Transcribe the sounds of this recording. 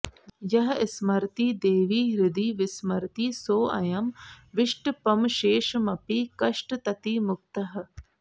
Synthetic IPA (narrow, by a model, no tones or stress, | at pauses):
jɐɦɪsmɐɾt̪iːd̪eːʋiːɾɪd̪iːʋɪsmɐɾt̪iːsoːɐ̰jɐmʋɪʃʈpɐmʃeːʃmɐpiːkɐʃʈt̪ɐt̪iːmʊk̚t̪ɐɦ